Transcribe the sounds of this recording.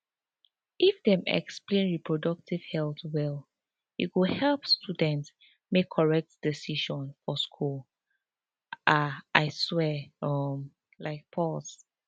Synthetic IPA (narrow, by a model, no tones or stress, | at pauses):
ʔifdɛ̃mɛ̰ksplẽnɹipʰɹɔdɔk̚tiv̥hɛlˠθwɛl | jṵtwuhɛlˠpstʰudɛ̃nts | mekʰːɔɹɛk̚td̥isiʃɔ̃nfɔskʰul | aʔaɪswɛɔm | laɪk̚pʰɔs